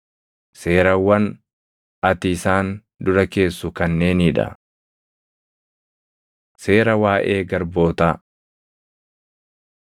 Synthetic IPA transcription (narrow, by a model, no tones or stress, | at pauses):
se̞ːɾɐwɐn | ɐt̪ɪːsaːn | d̪ʊɾɐke̞ːsːʊkɐnːe̞ːnɪᶑɐ̰ | se̞ːɾɐwaːʔeːɡɐɾbo̞ːt̪aː